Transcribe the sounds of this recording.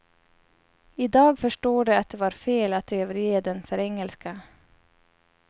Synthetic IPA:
iːd̪ɑːɡfœʃʈoːɖeːɑt̪̚d̪eːʋɑːɾfeːlɑt̪øːʋəɾjeːd̪ɛnfœɾɛŋəlskə

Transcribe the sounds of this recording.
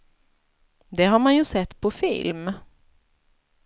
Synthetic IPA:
d̪ɛɦaɾmanjɵsɛt̪ːpʰɔfɪ̰lm

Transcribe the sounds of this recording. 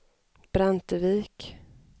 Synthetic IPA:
b̥ɾant̪əviːk

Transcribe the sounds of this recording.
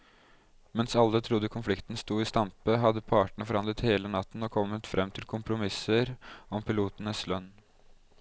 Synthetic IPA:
mɛnsɑlːət̪ʰɾʊd̪ːəkʰʊnflɪkt̪n̩st̪uːɪːst̪ɑmpəɦɑd̪ːəpʰɑːʈəɳəfɔɾhɑnd̪ɾət̪heːlənɑt̪ːn̩ɔkʰɔmːət̪fɾʔɛmt̪ʰɪlkʰʊmpʰɾʊmɪsəɾɔmpʰɪluːt̪ən̩əslœnː

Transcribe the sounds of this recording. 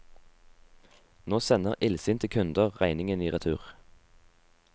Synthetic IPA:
noːsɛnəʁʔɪlsɪnt̪ʰəkʰʉnd̪əʁʁæɪnɪŋəniːʁɛt̪ʰʉːʁ

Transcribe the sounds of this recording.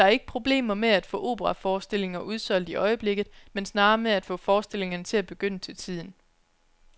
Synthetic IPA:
dɑ̈æɐe̝ɡ̥ə̥pʰʁo̝b̥le̝̰ːmɐmeæd̥fɔ̰̽ːʔo̝̰ːb̥əʁɑ̈fɒːsd̥e̝le̝ŋɐʔuð̞ˠsɒ̽l̰d̥iʔɒ̽ɪəb̥le̝ɡ̥ð̞̩ˠmensnɑ̈ːmeæd̥fɔ̰̽ːfɒːsd̥e̝le̝ŋɐnət͡sʰe̝læb̥e̝ɡ̥øn̰ət͡sʰe̝lt͡sʰið̞̰ˠn̩

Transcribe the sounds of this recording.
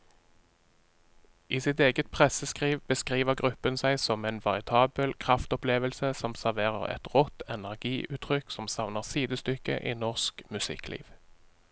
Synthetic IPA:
ʔiːsɪt̪eːɡət̪̚pʰʁɛsəskʁiːʋbəskʁiːʋəʁɡʁʉpənsæɪsɔmɛɪnʋɑʁɪt̪ʰɑːbəlkʰʁɑft̪ɔpleːʋəlsəsɔmsæʁʋeːʁə̰ʁɛ̰t̪ʁɔt̪ɛnæʁɡiːʔʉːt̪ʰʁʏksɔmsɑʋnəʁsiːd̪əst̪ʏkə̰ʔiːnɔʁskmʉsɪ̰klḭːʋ

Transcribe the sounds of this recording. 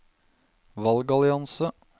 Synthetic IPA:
ʋɑlɡɑlɪɑnsə

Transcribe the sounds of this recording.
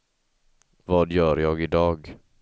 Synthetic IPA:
vɑːd̪jœːɾjɑːɡɪd̪ɑːɡ

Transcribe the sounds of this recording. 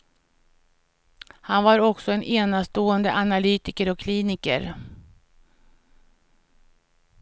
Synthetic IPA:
hanvaɾɔksɔɛnʔeːnast̪oːənd̪əʔanalyːt̪ɪkəɾɔkʰːliːnɪkə̰ɾ

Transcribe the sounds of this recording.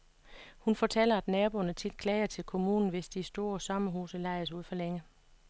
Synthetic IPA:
hunfɒt͡sʰel̰ɐæd̥nɛːb̥o̝nət͡sʰid̥̚kʰlɛːɪɐt͡sʰe̝lkʰo̝mṵːnn̩ʋe̝sd̥isd̥o̝ːɐsɒ̽mɐɦuːsəlɑ̈ɪ̰suð̞̰ˠfɒ̽leŋə

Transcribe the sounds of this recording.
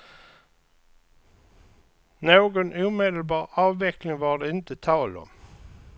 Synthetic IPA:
noːɡɔnuːmeːd̪əlbɑːɾɑːvːɛklɪŋvɑɖɛɪnt̪ət̪ʰɑːlɔ̰m

